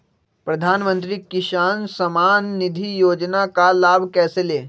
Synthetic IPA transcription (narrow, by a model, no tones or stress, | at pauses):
pɾɐd̪ʱaːnmə̃nt̪̬ɾikɪʃaːnsɐmaːnːɪd̪ʱijoːd͡ʒnakalaːbʱkɛːseleː